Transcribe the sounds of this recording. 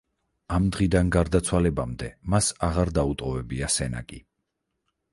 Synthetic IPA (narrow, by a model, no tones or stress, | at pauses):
amd̪ʁid̪anɡaɾd̪at̪sʰwalɛbamd̪ɛmasaʁaɾd̪aut̪ʼqʼɔvɛbiasɛna̰kʼi